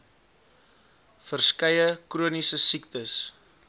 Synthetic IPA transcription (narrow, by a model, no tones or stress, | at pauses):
fərskɐjəkruənisəsiktəs